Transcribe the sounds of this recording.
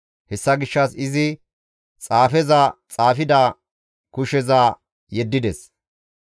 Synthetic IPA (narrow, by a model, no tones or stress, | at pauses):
hɛsːɐɡɪʃːɐsɪzɪ | t͡sʼaːfɛzɐt͡sʼaːfɪd̪ɐ | kʊʃɛzaː | jɛd̪ːɪd̪ɛs